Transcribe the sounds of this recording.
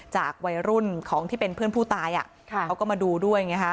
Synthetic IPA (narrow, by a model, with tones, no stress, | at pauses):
t͡ɕa̰ː˨˩k̚wa˧jɾu˥˩nkʰɔː˩˦ŋt̪ʰiː˥˩pe˧npʰɯ˥˩ənpʰuː˥˩t̪aː˧jʔa̰˨˩˧ | wkɔː˥˩ma˧duː˧du˥˩əjŋa˦˥kʰa˦˥